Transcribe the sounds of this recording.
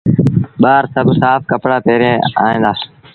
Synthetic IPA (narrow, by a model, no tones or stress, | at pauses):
ɓaːɾsəbsaːfkəpɽaːpeːɾẽːa̰ːɦẽːnd̪aː